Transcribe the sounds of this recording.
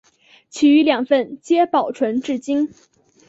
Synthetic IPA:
t͡ɕʰi˨˩y˧˥ljɑ˨˩ŋfə˥˩nt͡ɕjɛ˥pɑ˨˩ʊʈ͡ʂʰwə˧˥nʈ͡ʂɻ̩˥˩t͡ɕi˥ŋ

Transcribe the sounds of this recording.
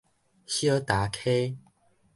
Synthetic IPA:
ɕjə˦t̪a˨˦kʰe˦

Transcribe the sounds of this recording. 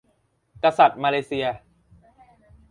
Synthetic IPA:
ka˧sa˨˩t̪̚maː˧leː˧˥si˧ɐ

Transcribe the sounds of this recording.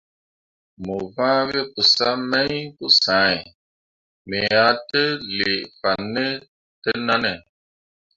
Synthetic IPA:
mu˨vã˦βe˦ku˨sa˦mɛ̃˦ĩ˦ku˦sã˨˦e˨ | me˨a˨˦te˦li˨fa˨nːe˦ | te˦na˦nɛ˨

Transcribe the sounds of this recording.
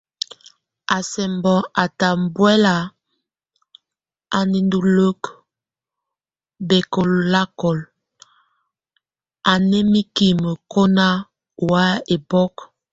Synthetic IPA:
a˨sɛ˨mbɔ˨ʔa˨ta˨mbwɛ˦la˨ | a˨ni˨ndu˨lo˦k | bɛ˨kɔ˨lla˦kɔ˨l | a˨nɛ˦mi˦ki˨mə˨ko˦na˦ | u˨wa˦e˨bɔ˦k

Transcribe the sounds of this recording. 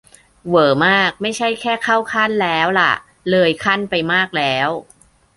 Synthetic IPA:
wɤː˩˦maː˥˩k̚ma˥˩jt͡ɕʰa˥˩jkʰɛː˥˩kʰa˥˩wkʰa˥˩nlɛː˦˥wla̰˨˩ʔ | lɤː˧jkʰa˥˩npa˧jmaː˥˩k̚lɛː˦˥w

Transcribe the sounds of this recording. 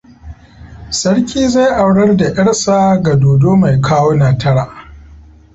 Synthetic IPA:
sɐ˦ɽkʲiː˦za˦jʔa˨wɽɐ˦rda˨ʔɐ˦ɽsaː˦ɡa˨doː˨doː˦ma˨jkʰaː˦woː˦naː˨tɐ˦ɽaː˨

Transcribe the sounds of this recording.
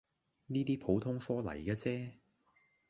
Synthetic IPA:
niː˥t̪iː˥pʰo˨˥wt̪ʰʊ˥ŋfɔː˥lɐ̰˨˩jkaː˧t͡sɛː˥

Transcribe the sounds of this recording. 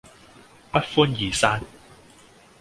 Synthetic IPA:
pɐ˥t̚fuː˥njiː˨˩saː˥n

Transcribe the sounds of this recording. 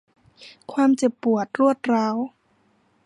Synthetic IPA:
kʰwaː˧mt͡ɕe˨˩pːu˨˩ət̪̚ɾu˥˩ət̪̚ɾaː˧˥w

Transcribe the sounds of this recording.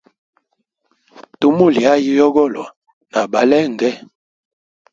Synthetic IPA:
to˦mo˦˨li˨a˦ji˦jɔ˦ɡɔ˦˨lɔ˨ | na˨ba˨lɛ˦˨ŋ˨ɡɛ˦

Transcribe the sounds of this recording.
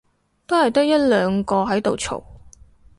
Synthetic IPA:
t̪o˥whɐ˨jt̪ɐ˥k̚jɐ˥t̚lœː˨˧ŋkɔː˧ɦɐ˨˥jt̪o˨wt͡ʃʰo̰˨˩w

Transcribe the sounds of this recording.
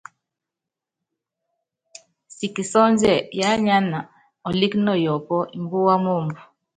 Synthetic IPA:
si˨ki˨sɔ˦nd͡ʒɛ˨ja˦ɲa˦na˨ | ɔ˨li˦knɔ˦˨jɔ˨pɔ˦ʔi˨mbu˦wa˦mo˦˨mbu˨

